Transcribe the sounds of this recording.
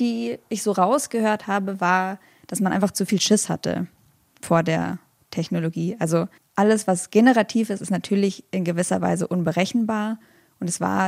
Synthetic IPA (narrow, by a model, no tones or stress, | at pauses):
d̥iːɪçz̥oːʁaʊsɡ̥əhøːɐthaːbəvaːɐ | d̥asmanʔaɪfaχt͡sufiːlʃɪsha̰tʰə̰ | foːɐdeːɐ | tʰɛçnoloɡiːʔalzo | ʔaləsv̥asɡ̥enəʁ̞atʰiːfɪstɪstnatʰyːɐlɪçʔɪnɡəvɪsɐ̰va̰ɪzəʔʊnbəʁɛçn̩baːɐ | ʔʊntɛsv̥a̰ːɐ